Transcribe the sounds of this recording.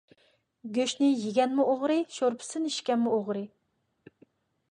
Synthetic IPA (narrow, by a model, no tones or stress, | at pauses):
ɡʲøʃnɪjiɡʲɛnmʊʔoʁɾɨʃoɾpʰɪ̥sɨniʃkʲɛnmuoʁɾɨ